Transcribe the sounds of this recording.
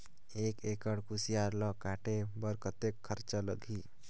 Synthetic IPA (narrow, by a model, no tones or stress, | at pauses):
ekekəɽkusijaɾlɔkaʈebəɾkət̪ekʰːəɾt͡ʃələɡʱi